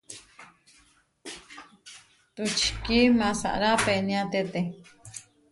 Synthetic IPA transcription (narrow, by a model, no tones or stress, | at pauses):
t̪ut͡ʃi̥kimãsa̰ʔɾapenĩãt̪et̪e